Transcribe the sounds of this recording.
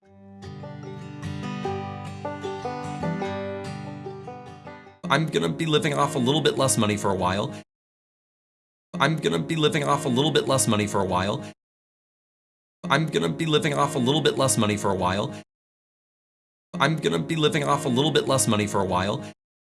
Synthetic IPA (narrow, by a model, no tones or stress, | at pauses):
ã̰ɪ̃mɡʌnɨbilɪvɪ̃ŋɔfəlɪɾl̩ˠbɪʔˡlɛsmʌñifə˞əwaɪlˠ | ã̰ɪ̃mɡʌnɨbilɪvɪ̃ŋɔfəlɪɾl̩ˠbɪʔˡlɛsmʌñifə˞əwaɪlˠ | ã̰ɪ̃mɡʌnɨbilɪvɪ̃ŋɔfəlɪɾl̩ˠbɪʔˡlɛsmʌñifə˞əwaɪlˠ | ã̰ɪ̃mɡʌnɨbilɪvɪ̃ŋɔfəlɪɾl̩ˠbɪʔˡlɛsmʌñifə˞əwaɪlˠ